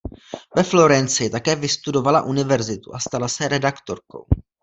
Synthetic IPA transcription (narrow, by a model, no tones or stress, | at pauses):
vɛflo̞ɾɛnt͡sɪt̪akɛːvɪst̪udo̞valaʔunɪvɛɾzɪt̪uʔast̪alasɛɾɛdakt̪o̞̰ɾko̞̰w